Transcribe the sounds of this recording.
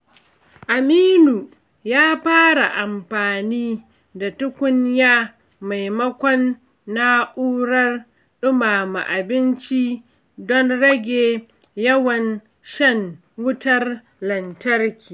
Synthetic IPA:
ʔa˨miː˦nuː˨ | jaː˦ɸaː˦ɽa˨ʔa˨mɸaː˨niː˦ | da˨tʊ˦kʷʊ˦ɲjaː˦ | ma˨jmɐ˦kʷɔ˦nː | a˦ʔuː˦ɽɐ˦r | ɗʊ˦maː˨ma̰˨ʔa˨bɪ˦nt͡ʃi˦ | dɔ˦nɽɐ˦ɡʲeː˨ | jɐ˦wɐ˨n | ʃɐ˦ŋ | wʊ˦tɐ˦r | lɐ˨ntɐ˦rkʲiː˨

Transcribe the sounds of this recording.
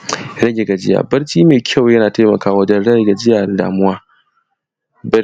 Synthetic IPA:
ɾɐ˦ɡʲe˨ɡa˨d͡ʒɪ˦ja̰ː˨bɐ˦ɾt͡ʃiː˦meː˨kʲʰa˦˨wjɐ˦naː˨taː˦mɐ˨kaː˦wɐ˦d͡ʒɐ˦nɽɐ˦˨ɡa˨d͡ʒɪ˦jaː˨da̰ː˨mʊ˦waː˦ | bɐ˦

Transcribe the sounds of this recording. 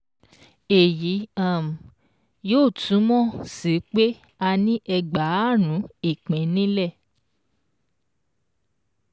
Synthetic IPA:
e˨ji˨˦ã˦˨m̩˨ | joː˦˨tʰũ˨˦mɔ̃˦˨si˨˦k͡pe˦ | a˧nĩ˦ʔɛ˧ɡ͡ba˨˦˨ɾ̃ũ˨˦e˦˨k͡pɛ̃˨˦nĩ˦lɛ˦˨

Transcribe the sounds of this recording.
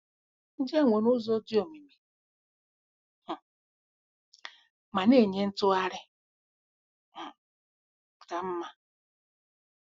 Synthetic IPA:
n̩˦d͡ʒe˦˨ŋʷe˨nʊ˦zɔ˦di˦o˨mi˨mi˨ | ma˨ne˦˨ɲe˦n̩˦tʊ˦a˦ɾɪ˦˨ | ta˨m̩˦ma˦

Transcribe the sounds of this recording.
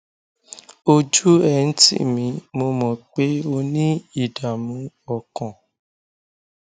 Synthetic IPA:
o˧d͡ʒu˦ɛ˦˨n̩˦tḭ˦˨mĩ˧˦mo˧mɔ̃˨k͡pe˨˦o˧nĩ˦i˦˨da˨mũ˨˦ | ɔ˨kɔ̃˨

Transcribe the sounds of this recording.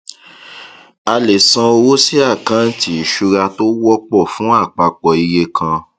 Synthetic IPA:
a˧le˨sã˧o˧wo˦si˦a˦˨kã˨˦n̩˦ti˦i˨ʃu˧ɾa˧to˦wɔ˦k͡pɔ˦˨fũ˨˦a˦˨k͡pa˧k͡pɔ˨i˧je˧kʰã˧

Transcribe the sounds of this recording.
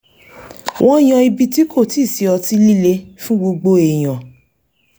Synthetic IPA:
wʔɔ̃˦˨j̃ã˧i˧bi˧ti˨˦kʰo˦˨ti˦˨si˨˧˦ɔ˧ti˦li˦le˧˦fũ˦ɡ͡bo˧ɡ͡bo˧e˨j̃ã˨

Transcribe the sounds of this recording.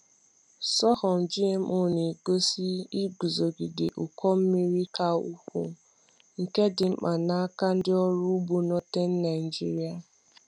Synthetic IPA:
sɔ˦hɔ˨m̩˨d͡ʒi˦e˦m̩˦ʊ˦˨ni˨ɡo˦si˦i˦ɡu˨zo˨ɡɪ˨dɪ̰˨ʔu˨kɔ˦m̩˦mi˦ɾi˦ka˦u˦kʷṵ˨ | ŋ̩˨ke˦dɪ˨m̩˦k͡pa˨na˦a˦ka˦n̩˦dɪ˦ɔ˦ɾu˦bu˨nɔ˦te˦n̩˦na˨i˨d͡ʒi˦ɾi˦a˨

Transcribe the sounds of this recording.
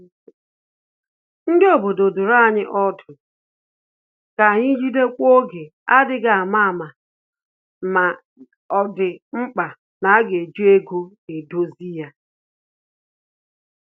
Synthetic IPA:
ŋ̩˦de˦o˨bo˨do˨dʊ˨ɾa˦˨ɲɪ˦ʔɔ˦dʊ˨ | ka˨ɲɪ˦d͡ʒi˦de˦kʷo˦ɡe˨ | a˦dɪ˦ɡa˨a˨ma˦a˨ma˨ | ma˨ | ɔ˨dɪ˨ŋ͡m̩˦k͡pa˨ | na˨a˦ɡe˨d͡ʒu˦e˦ɡu˦ | e˨do˦zi˦ja˦

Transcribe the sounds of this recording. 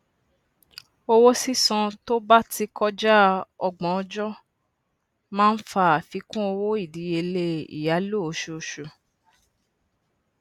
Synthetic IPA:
o˧wo˦si˦sɔ̃˧to˦ba˦ti˧kɔ˦d͡ʒa˦ɔ˧ɡ͡bɔ̃˨˦ɔ˧d͡ʒɔ˦ | mãː˦n̩˦fa˧˦a˨fi˨˦kũ˦o˧wo˦i˦˨di˨˦e˧le˦ḭ˨ja˨˦lo˦o˨˦ʃu˨˧ʃu˨

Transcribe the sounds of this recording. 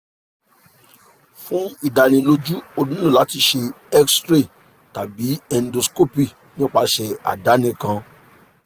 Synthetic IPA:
fũ˦i˦˨da˨ñĩ˧lo˧˦d͡ʒu˦o˧dũ˦nũ˦˨la˨˦ti˧ʃe˧ | ɛ˦kstɾe˦˨ | ta˨bi˨˦ɛ˧n˦do˧sko˦pi˦˨ | nĩ˦o˧k͡pa˧ʃɛ˧a̰˨da˨˦nĩ˧˦kã˧

